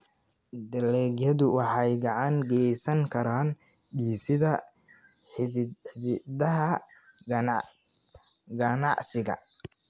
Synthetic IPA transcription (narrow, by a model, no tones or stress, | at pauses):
d̪ɐlɛɡjɐðʊwɑħɑjɡɑʕɑŋɡɛjsɐŋkʰɐɾaːn | ɖiːsɪðɐ | dɐɦɐ | ɡɐnɑʕsɪɣɐ̰